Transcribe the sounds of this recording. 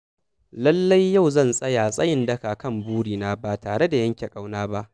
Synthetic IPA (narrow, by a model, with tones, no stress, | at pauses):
lɐ˦lːa˦jːa˦˨wzɐ˦˨nsʼɐ˦jaː˨sʼɐ˦jɪ˦ndɐ˦kaː˨kɐ˦˨mbuː˦ɽiː˨naː˦ba˨taː˨ɽe˦da˨jɐ˦ŋkʲe˨kʼa˦wnaː˦ba˦ʔ